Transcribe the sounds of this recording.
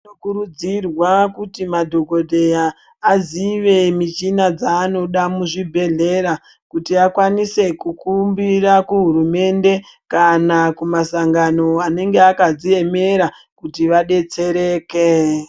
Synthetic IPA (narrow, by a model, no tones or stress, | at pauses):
nokuɾud͡zirwakutimadʱo̞ɡʱo̞dʱe̞jaː | ziʋe̞mit͡ʃinad͡zaːno̞ɗamuʐibʱe̞ɮe̞ɾa | kutiakwanise̞kukumbirakuɦuɾume̞nde̞ | kanakumasaŋɡano̞ane̞ŋɡeakad͡zie̞me̞ɾa | kutiʋaɗe̞t͡se̞ɾe̞ːke